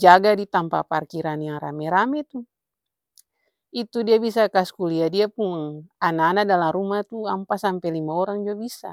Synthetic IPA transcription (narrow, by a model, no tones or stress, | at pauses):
d͡ʒaɡadit̪ampa̰parkiɾanjaŋra̰mɛɾamɛt̪u | it̪udiabis̬akaskuliadiapuŋanaːnadalamrumat̪uampasampɛlimaɔɾaŋd͡ʒuabisa̰